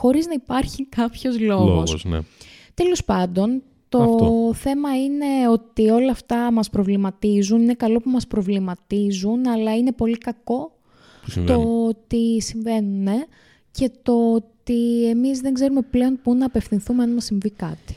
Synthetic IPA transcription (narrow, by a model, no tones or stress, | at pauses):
xo̞ɾiznɐipɐɾçikɐpço̞zlo̞ɣɣossn̰ | t̪e̞lo̞spɐnd̪o̞n | t̪oθe̞mɐine̞o̞t̪io̞lɐːft̪ɐmɐspɾo̞vlimɐt̪izunine̞kɐlo̞pumɐspɾo̞vlimɐt̪izunɐlɐine̞po̞likɐko̞ | t̪ot̪isiɱve̞nune̞ | ce̞t̪o̞t̪iemizðe̞ŋɡze̞ɾume̞ple̞o̞npunɐːpe̞fθinθumeɐnmɐsiɱvikɐt̪i̥